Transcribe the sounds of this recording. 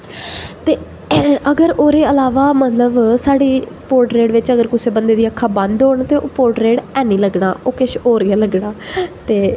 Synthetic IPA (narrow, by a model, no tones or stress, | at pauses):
t̪eː | əɡəɾoːɾeːəlaːʋaːmət̪ləbsaːɽiː | poːɾʈɾeːɽʋɪt͡ʃəɡəɾkʊseːbənd̪eːd̪iːəkʰːaːbə̃nd̪ɦoːɳt̪eːʔoːpoːɾʈɾeːɽɛːniːləɡɳa̰ːʔoːkɪʃoːɾɡaːləɡɳaːt̪eː